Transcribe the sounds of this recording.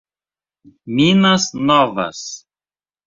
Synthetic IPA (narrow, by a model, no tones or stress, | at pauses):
mʲinɐsnɔvɐ̰s